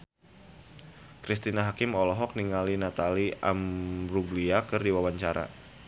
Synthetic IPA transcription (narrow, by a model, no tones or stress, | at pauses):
kɾist̪inaɦakɪmɔlɔɦɔk̚niŋalinat̪alia̰mɾuɡliakɨrdiwawaɲt͡ʃaɾa̰